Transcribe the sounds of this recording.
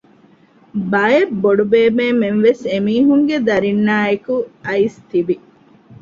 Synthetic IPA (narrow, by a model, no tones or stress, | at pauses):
bɐebːoɖubeːmeːmenʋesemiːɦuŋɡed̪ɐɾinːaːekuɐist̪ibi